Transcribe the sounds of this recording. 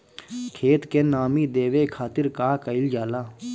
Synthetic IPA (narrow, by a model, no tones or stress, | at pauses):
kʰeːt̪kenaːmiːd̪eːʋeːkʰaːt̪ɪɾkaːkəɪld͡ʒaːlaː